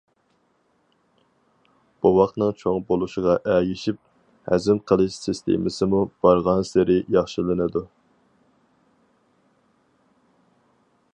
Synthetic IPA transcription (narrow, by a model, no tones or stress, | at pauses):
b̥uwɑχt̪nɨŋt͡ʃʰoŋbolˠuʃɪʁɑʔæɡiʃip̚ | hæ̰zɪmqʰəlˠɨʃsɪst̪ʰḛmɪsɪmub̥ɑɾʁɑnsɪɾɪjɑχʃilˠɨnɨd̪u